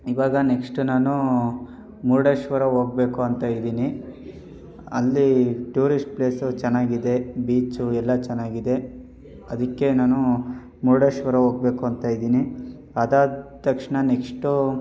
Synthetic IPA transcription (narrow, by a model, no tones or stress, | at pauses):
iʋaːɡɐnekʂʈunaːnu | muːɾɽeʃʋɐɾɐɦoːɡ̚be̞ːkuɐnt̪aːjid̪iːni | ɐlːiʈuːɾisʈ̚pleːsut͡ʃɛnːaːɡid̪e̞biːt͡ʃuɛlːɐt͡ʃɛnːaːɡid̪e̞ | ɐd̪ɐkːe̞naːnu | muːɾɽeʃʋɐɾɐɦoːɡ̚be̞ːkuɐnt̪aːjid̪iːni | ɐd̪aːt̪ɐkʂɳɐnekʂʈu